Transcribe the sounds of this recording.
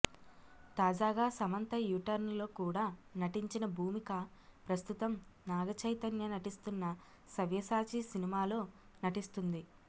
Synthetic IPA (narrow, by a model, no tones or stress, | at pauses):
t̪aːd͡ʒaːɡaːsɐmɐnt̪ɐjuʈɐɾnlo̞ːkuːɽaːnɐʈiɲt͡ʃinɐbʱuːmikɐpɾɐst̪ut̪ɐmnaːɡɐt͡ʃɐjt̪ɐnjɐnɐʈist̪unːɐ | sɐʋjɐsaːt͡ʃisinimaːlo̞ː | nɐʈist̪und̪i